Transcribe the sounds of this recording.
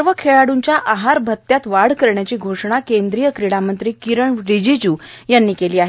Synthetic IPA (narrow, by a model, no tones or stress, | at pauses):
ɾʋəkʰeɭaɽuɲt͡ɕjaʔaɦaɾbʱət̪ːjat̪ʋaɽ̤kəɾɳjat͡ɕiːɡʱoʂɳakend̪ɾijəkɾiɽamənt̪ɾiːkiɾəɳɾid͡ʑid͡ʑuːjanːiːkeliːaɦe